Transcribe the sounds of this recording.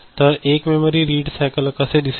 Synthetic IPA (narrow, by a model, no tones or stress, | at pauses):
t̪ɐɾeːkmeməɾiɾiːɖsɛːɪkəlɐkaseɖɪs